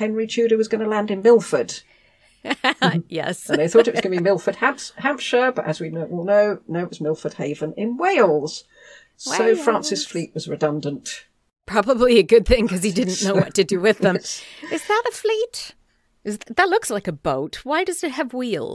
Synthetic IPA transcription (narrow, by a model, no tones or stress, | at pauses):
hɛ̃nɹit͡ʃʰʉɾəwʌzɡʌnəlæ̃ndɨ̃nmɪlˠfə˞d̥ | jɛ̰s̩ðeɪθɔɾɨʔ̚wʌɡʌnɨbimɪlˠfəd̥̚hæ̃mpshæ̃mpʃəb̥ʌʔɨzwinowɛlˠnoʊnoʊɨʔ̚wʌzmɪlˠfəd̥̚heɪvə̃nɪ̃nweɪlˠz̥ | soʊfɹæ̃nsɨsfliʔ̚wʌzɹɨdʌ̃ndə̃nt | pʰɹ̥ɑbəbliɨɡʊd̪̚θɪ̃ŋkʰʌz̥idɪdⁿn̩noʊwʌtʰɨdɨwɪðə̃mɨzðətəflit | ɨzðətˡlʊkslaɪkɨboʊt̚waɪdʌz̥ɨt̚hɨvwilˠ